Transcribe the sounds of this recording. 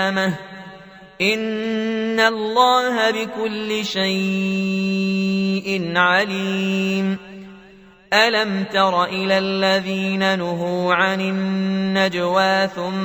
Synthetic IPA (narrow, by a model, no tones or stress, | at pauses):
ma | ʔɪnː | alˤːɑːɦabɪkʊlːɪʃaj | ʔɪnʕaliːm | ʔalamt̪ɑɾˤɑʔɪlaːlːaðiːnanʊɦuːʕanɪnːad͡ʒwaːθʊm